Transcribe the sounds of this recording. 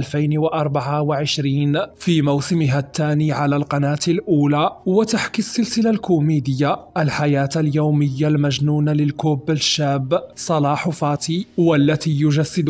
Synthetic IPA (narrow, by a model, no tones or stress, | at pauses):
lfajnwaʔɑɾˤbaʕawaʕɪʃɾiːnfiːmawsɪmɪɦat̪ːaːniːʕalaːlqɑnaːt̪ɪlʔuːlaːwat̪aħkisːɪlsɪlalkʊmiːd̪ɪjːaʔalħajaːt̪aljawmɪjːalmaʒnuːnalɪlkʊbːaʃːaːbːsˤɑlɑːħʊfɑːt̪iːwalːat̪iːjʊʒasːɪd̪